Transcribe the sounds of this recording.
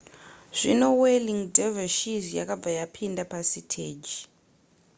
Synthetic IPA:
ʐ̥inoweliŋdavaʃizja̰kab̪vajapʰindapasitʰeːd͡ʒi

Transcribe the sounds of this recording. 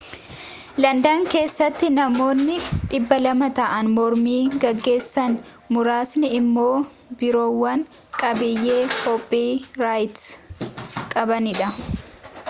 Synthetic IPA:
lɐnd̪aːŋke̞ːsːɐt̪ːɪnɐmo̞ːnːɪᶑɪbːɐlɐmɐt̪ɐʔɐnmɔɾmiːɡɐɡːe̞ːsːɐn | mʊɾaːsnɪɪmːo̞ː | bɪɾo̞ːwːɐŋ | kʼɐbɪjːe̞ːhɔpʼːiːɾaːjt̪s | kʼɐbɐnɪᶑɐ

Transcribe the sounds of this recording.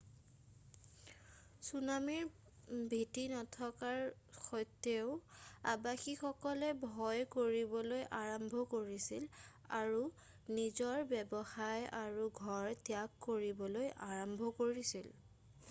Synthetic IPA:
sunamiɹ | bʱitinɔtʰɔkaɹ | xɔjtːeʊabaxixɔkɔlɛbʱɔjkoɹibɔlojʔaɹɔmbʱɔkoɹisil | aɹu | nizɔɹbɛbɔxajaɹuɡʱɔɹtjakːoɹibɔlojʔaɹɔmbʱɔkoɹisil

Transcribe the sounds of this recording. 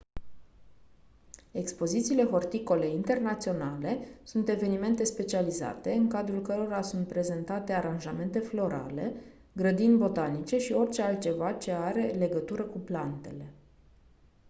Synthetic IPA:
e̞kspo̞zit̪siːle̞ɦo̞rt̪iko̞le̞int̪e̞rnat̪sio̞nale̞sunt̪e̞ve̞nime̞nt̪e̞spe̞t͡ʃializa̰t̪e̞ɨŋkad̪ɾulkəɾo̞ɾasunt̪̚pɾe̞ze̞nt̪at̪e̞aɾanʒame̞nt̪e̞flo̞ɾʔa̰le̞ | ɡɾəd̪inʲbo̞t̪anit͡ʃe̞ʃio̞rʲt͡ʃe̞alt̪̚t͡ʃe̞vat͡ʃe̞aɾe̞le̞ɡət̪uɾəkuplant̪e̞̰le̞

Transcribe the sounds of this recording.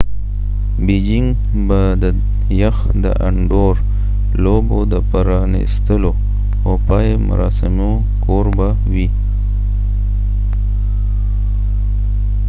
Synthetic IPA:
bed͡ʒɪŋɡ | ba | d̪ə | jaxd̪ə̰ʔa̰ɳɖoɾ | lobod̪əpaɾɑnḭst̪əlo | opɑjemʊ̰ɾɑsɪmo | koɾba | wi

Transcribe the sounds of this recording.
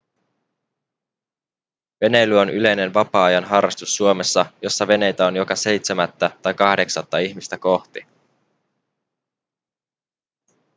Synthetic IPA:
ʋe̞ne̞jlyo̞nʔyle̞jne̞nʋɑpɑːɑjɑnɦɑrːɑst̪usːuome̞sːɑjo̞sːɑʋe̞ne̞jt̪æo̞njo̞kɑse̞jt̪se̞mæt̪ːæt̪ɑjkɑhde̞ksɑt̪ːɑiçmist̪æko̞ht̪i

